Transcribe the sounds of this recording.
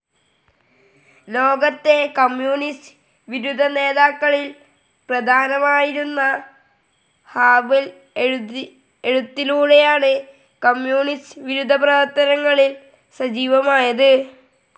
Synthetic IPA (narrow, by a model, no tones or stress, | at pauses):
lo̞ːɡɐt̪ːe̞kɐmjuːnist | ʋiɾud̪ʱːɐne̞ːðaːkːɐɭil | prɐd̪ʱaːnɐmaːjiɾunːɐ | haːbil | eɽut̪ːiluːɽe̞jaːɳɨ | kɐmjuːnistʋiɾud̪ʱːɐprɐʋɐɾt̪ːɐɾɐŋːɐɭil | sɐd͡ʑiːʋɐmaːjɐðɨ